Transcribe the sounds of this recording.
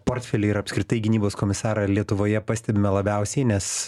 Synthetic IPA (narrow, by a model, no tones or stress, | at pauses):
poːrʲt̪ʲfʲɛlʲɪɪɾɐpskɾʲɪt̪ɐɪɡʲɪnʲiːboːskoːmʲɪsɑːɾɐlʲiɛt̪ʊʋoːjɛpɑːsʲt̪ʲɛbʲɪmɛlˠɐbʲɛʊsʲɛɪnʲɛs